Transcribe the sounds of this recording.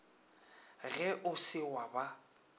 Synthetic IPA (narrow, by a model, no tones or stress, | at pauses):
ɣɛʔʊsɪwaba